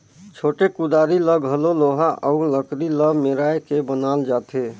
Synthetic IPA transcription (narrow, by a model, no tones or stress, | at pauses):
t͡ʃʰoːʈekud̪aːɾiləɡɦəloloɦaʔəʊləkɾiləbmeɾaekebənaːld͡ʒaːt̪ʰe